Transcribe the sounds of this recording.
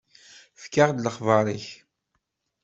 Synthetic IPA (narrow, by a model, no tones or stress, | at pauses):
fkaʁd̪ləχvɑɾˤiç